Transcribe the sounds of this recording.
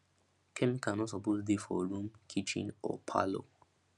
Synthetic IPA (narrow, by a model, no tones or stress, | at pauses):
kʰɛ̃nkãnɔtsɔpotdefɔɹũmkʰit͡ʃḭ̃nɔ̰pʰa̰lo̰